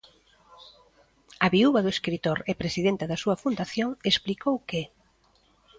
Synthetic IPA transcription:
ɐβiuβɐðʊeskɾit̪oɾɛpɾesiðent̪ɐðɐsuɐfund̪aθjoŋesplikowke

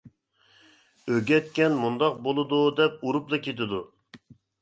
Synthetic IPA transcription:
øɡʲɛt̪̚kʲɛnmund̪ɑq̚bolˠɨd̪ud̪ɛp̚uɾuplˠɨkʲet̪ʰɪd̪u

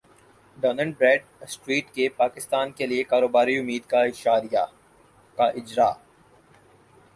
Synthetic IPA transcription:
ɖɔːnə̃ɳɖ̚bɾɛːɖ̚sʈɾiːʈkepaːkɪst̪aːnkeliekaːɾoːbaːɾiʊmːiːd̪kaɪʃaːɾijaː | kaʔɪd͡ʒɾa̰ː

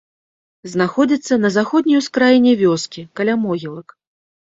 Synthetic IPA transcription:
znaxɔd͡zʲit̪sːɐnɐzaxɔd̪ʲnʲijwskɾajinʲɛvʲɔskʲikalʲamɔɣʲilˠɐk

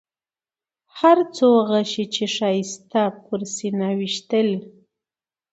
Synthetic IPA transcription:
haɾt͡soːɢɑʃɪt͡ʃɪʂajst̪apʊɾsɪnawɪʃt̪el

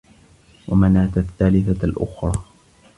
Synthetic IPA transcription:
wʔamanaːt̪aθːaːlɪθalʔʊxɾˤɑː

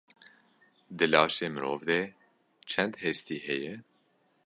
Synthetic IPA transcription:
d̪ɨlɑːʃeːmɨɾoːvd̪e | t͡ʃʰɛnd̪hɛst̪iːhɛjɛ

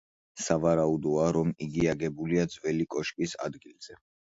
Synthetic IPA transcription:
savaɾaud̪ɔaɾɔmiɡiaɡɛbuliad̪zvɛlikʼɔʃpʼisa̰d̪ɡilz̥ɛ

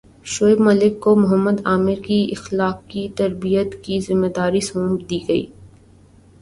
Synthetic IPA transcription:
ʃoːɪbməlɪkːomʊɦəmːəd̪aːmɪɾkiɪxlaːqkit̪ɐɾbijət̪kizɪmːed̪aːɾisõːmd̪iːɡɐḭː

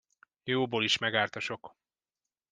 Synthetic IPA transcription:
joːboːliʃmɛɡaːrt̪ɒʃo̞k

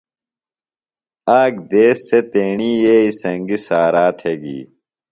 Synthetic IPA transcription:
aːɡd̪eːsːet̪eːɳiːjeːisɐŋɡisaːɾaːt̪ʰheɡḭː

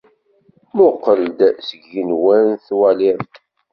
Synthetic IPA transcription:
mʊqːəld̪səɡːinwænθwæliɾθ

